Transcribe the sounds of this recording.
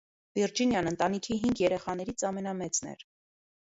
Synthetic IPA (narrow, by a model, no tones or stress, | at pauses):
viɾd͡ʒinjɑnənt̪ɑnikʰiɦiŋɡjɛɾɛχɑn̪ɛɾit͡sʰɑmɛnɑmɛt͡snɛ̰ɾ